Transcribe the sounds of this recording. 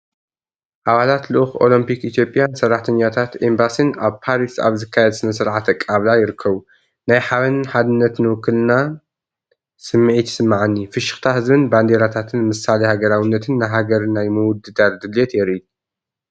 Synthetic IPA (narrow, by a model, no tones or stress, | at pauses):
ʔaβalat̪lɨʔxo̞̰lɐmpikit̪ʰjo̞pʼːjansɐrːaħt̪ʰɐɲːat̪ʰat̪embasɨnaβpʰaɾisa̰βzɨkʰːajɛd̪sɨnɐsɨɾʕat̪ʰɐkʼːaβlajɪɾɨkʰːɐβu | najħaβɨnħad̪ɨnːɐt̪nɨwɨkːɨlna | sɨmːʕit̪sɨmːaʕanːifɨʃɨxt̪ʰaɦɨzbɨnband̪eɾat̪ʰat̪ʰɨnmɨsalejhaɡɐɾawɨnːɐt̪ʰɨnːaɦaɡɐɾnajmɨwʊd̪ɨd̪ard̪ɨlet̪jɛɾi